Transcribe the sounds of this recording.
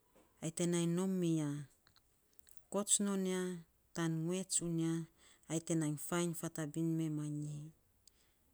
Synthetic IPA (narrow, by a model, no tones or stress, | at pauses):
ajte̞najno̞mia | ko̞t͡ʃno̞nia | tanŋue̞t͡ʃuniaː | jte̞najnfajnfatabinme̞maɲi